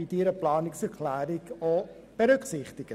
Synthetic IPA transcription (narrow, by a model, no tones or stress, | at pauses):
idiɾəplɑːnɪksɛɾkʰlæːɾiko | b̥əɾʏksɪχtɪɡə